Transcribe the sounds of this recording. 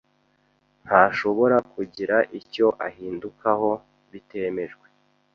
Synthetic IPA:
n̥haʃo̞βo̞ɾakuɟiɾaʔico̞ʔahiːndukʰaɦo̞ | βite̞ːme̞ʒɡwe̞

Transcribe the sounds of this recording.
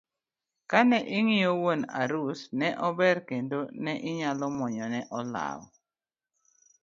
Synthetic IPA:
kanɛʔɪŋijowona̰ɾusnɛʔɔbɛɾkendonɛʔɪɲalɔmɔɲɔnɛʔɔla̰wɔ̰

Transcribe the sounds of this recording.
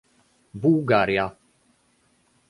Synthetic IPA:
bulɡaːɾija

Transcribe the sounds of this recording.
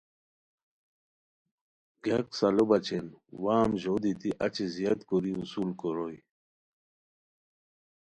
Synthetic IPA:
ɡaksalobat͡ɕenwaːmʑod̪it̪iʔat͡ɕizijat̪koɾiusulkoɾoj

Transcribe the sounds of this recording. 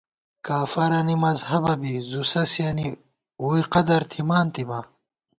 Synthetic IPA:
kaːfɐɾɐnimɐzhɐbɐbizusɐsjɐni | uiqɐd̪ɐɾt̪ʰimaːnt̪iba

